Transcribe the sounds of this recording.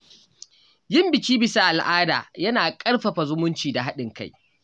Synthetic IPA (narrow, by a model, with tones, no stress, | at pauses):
jɪ˦mbɪ˨kʲiː˦bɪ˨sa˦ʔa˨lʔaː˦da̰ː˨jɐ˦naː˨kʼɐ˦ɽɸɐ˨ɸa˨zʊ˦mʊ˦nt͡ʃiː˨da˨ɦa˦ɗɪ˨ŋka˦˨j